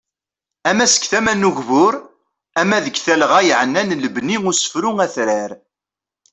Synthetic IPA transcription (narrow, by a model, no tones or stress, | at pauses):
æmæsə̥kθæmænːuʝvʊɾ | æmːæðəɡθælʁæjʕənːænləbniʊsə̥fɾʊŋæθɾæɾ